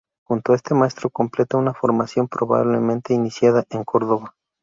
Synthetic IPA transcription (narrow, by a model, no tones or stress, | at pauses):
xunt̪oae̞st̪e̞mae̞st̪ɾo̞ko̞mple̞t̪aunafo̞ɾmasjo̞mpɾo̞βa̰βle̞mẽnt̪einisjaðaʔe̞ŋko̞ɾðo̞βa